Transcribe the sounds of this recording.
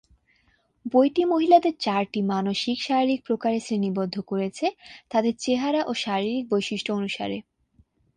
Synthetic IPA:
bojʈimoɦilad̪eɾt͡ɕaɾʈimanoʃikʃaɾiɾik̚pɾokaɾesɾenibod̪ʱːokoɾet͡ɕʰet̪ad̪eɾt͡ɕeɦaɾaʔoʃaɾiɾik̚bojʃiʃʈʰoonuʃa̰ɾe

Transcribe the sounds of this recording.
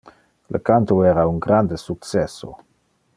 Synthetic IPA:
lə̰kant̪oɛɾauŋɡɾand̪əsuk̚t͡sɛso̰

